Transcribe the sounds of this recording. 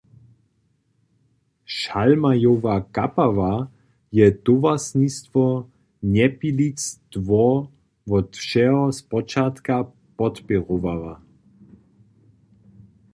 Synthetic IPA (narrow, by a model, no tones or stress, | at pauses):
ʃalmajovakapava | jɛd̪̥ovasɲist̪vɔ | ɲɛpilit͡st̪vɔ | vɔt̪fʃɛɦɔspɔt͡ʃat̪ka | pɔt̪pɛʁovava